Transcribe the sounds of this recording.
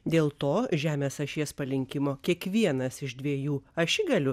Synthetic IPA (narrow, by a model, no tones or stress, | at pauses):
d̪ʲeːlˠt̪oːʒʲæːmʲeːsɐʃʲiɛspɐlʲɪŋʲkʲɪmoːkʲiɛkʋʲiɛnɐsɪʒd̪ʲʋʲiɛjuːɐʃʲɪɡɐlʲʊ